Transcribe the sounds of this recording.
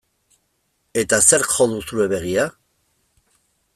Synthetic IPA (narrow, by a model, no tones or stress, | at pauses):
e̞t̪aseɾkxo̞ðusue̞βe̞ɣia